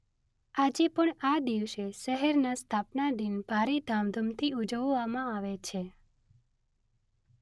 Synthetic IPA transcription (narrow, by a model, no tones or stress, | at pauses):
ad͡ʒepəɳad̪iʋʃeʃəɦɛɾnast̪ʰapnad̪inbʱaɾid̪ʱamd̪ʱəmt̪ʰiud͡ʒəʋːamãaʋet͡ʃʰe